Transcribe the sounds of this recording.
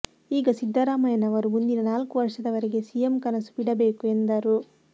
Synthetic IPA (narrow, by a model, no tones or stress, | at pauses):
iːɡɐsid̪ʱːɐɾaːmɐjɐnɐʋɐɾumund̪inɐnaːlkuʋɐɾʂɐd̪ɐʋɐɾeɡe̞sijemkɐnɐsu̥biɽɐbe̞ːkue̞nd̪ɐɾu